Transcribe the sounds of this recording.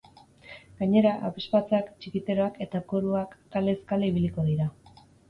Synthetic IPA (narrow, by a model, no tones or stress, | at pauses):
ɡ̥aɲe̞ɾaʔaβespat͡sakt͡ʃikit̪e̞ɾo̞ake̞t̪akoɾuak̪ːale̞skaleiβ̞iliko̞ðiɾa